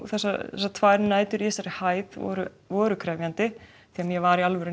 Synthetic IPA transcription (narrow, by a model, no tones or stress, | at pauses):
θɛsːaθɛsːat̪ʰvaːjɾnaːjt̪ʏɾɛsaɾɪhaːjðɔ̰ɾʏ | vɔːɾʏkʰɾɛːvjant̪ɪ | θiɣamjɛvaɾialvɛɾʏ